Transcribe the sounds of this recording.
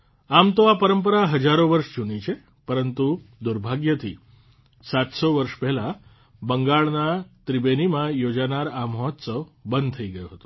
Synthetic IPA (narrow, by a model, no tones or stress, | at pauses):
amt̪oapəɾəmpəɾaɦəd͡ʒaɾoʋəɾʃd͡ʒunit͡ʃʰe | pəɾənt̪ud̪uɾbʱaɡjət̪ʰi | sat̪soʋəɾʃpɛɦɛla | bəŋɡaɭnat̪ɾibenimãjod͡ʒanaɾaməɦɔt̪səʋbənd̪̚t̪ʰəiɡəjoɦət̪o̥